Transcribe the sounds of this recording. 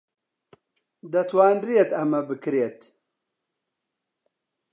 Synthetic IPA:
d̪ɐt̪ʰwaːnɾijet̪ɐmɐbɨkɾjet̪

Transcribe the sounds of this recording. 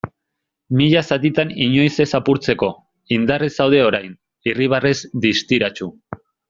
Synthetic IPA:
miʎasat̪it̪aniɲo̞jse̞sapuɾt͡se̞ko̞ | ind̪aresawð̞e̞o̞ɾajn | iriβ̞arezd̪ist̪iɾat͡ʃu

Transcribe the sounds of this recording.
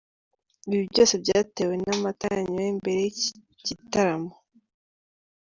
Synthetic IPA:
iβiβiβɟo̞ːse̞bɟaːteːwe̞namataaɲiwembe̞ɾe̞j | ɟitaɾamo

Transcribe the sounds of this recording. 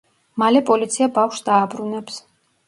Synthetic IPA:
malɛpʼɔlit̪sʰiabafʃsd̪̥aːbɾunɛps

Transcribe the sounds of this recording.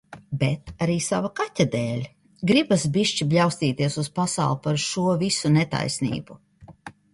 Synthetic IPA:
bɛt̪aɾiːsavakatʲad̪eːlʲ | ɡɾibasbiʃt͡ʃibʎʲawst̪iːt̪iɛsuspasa̰wlˠpaɾʃuɔvisunɛt̪a̰jsnḭːbu

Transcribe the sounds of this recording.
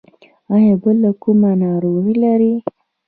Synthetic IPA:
ɑjɑbəlːakumanɑɾoɣilaɾi

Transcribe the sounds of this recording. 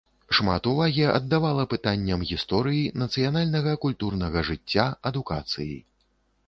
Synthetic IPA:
ʂmat̪uvaɣʲiɐ̰d̪ːavalˠɐpɨt̪anʲːɐmɣʲist̪ɔɾɨjinɐt̪sɨjanalʲnɐɣɐkulʲt̪urnɐɣɐʐɨt͡sʲːaɐd̪uka̰t̪sɨjḭ

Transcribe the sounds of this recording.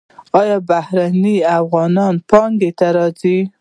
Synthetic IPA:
ɑjɑbahɾaniafɣɑnɑnpɑŋɡet̪aɾɑzi

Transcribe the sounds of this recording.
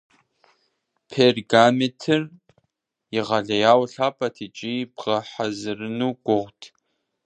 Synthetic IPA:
pʰerɡametʰɪr | iʁaɮɐjaːwɬaːpʼɐtʰit͡ʃʼibʁaħazɨrɨnuɡʷʊʁʷtʰʼ

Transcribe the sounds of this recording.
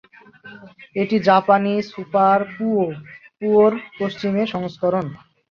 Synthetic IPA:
eʈid͡ʑapanisupaɾupuoɾpost͡ɕimeʃɔŋskɔɾon

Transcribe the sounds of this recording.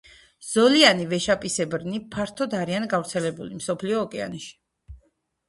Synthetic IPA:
z̥ɔlianivɛʃapʼisɛbɾnipʰaɾt̪ʰɔd̪aɾianɡavɾt̪sʰɛlɛbulimsɔpʰliɔːkʼɛa̰nɛʃi̥

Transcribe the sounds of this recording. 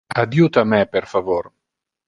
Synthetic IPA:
ad̪jut̪amɛpeɾfavoɾ

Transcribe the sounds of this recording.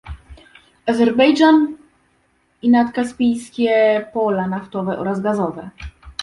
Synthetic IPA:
azɛɾbɛjd͡ʐan | inat̪kaspʲijskʲɛpɔlanaft̪ɔvɛʔɔɾazɡazɔvɛ

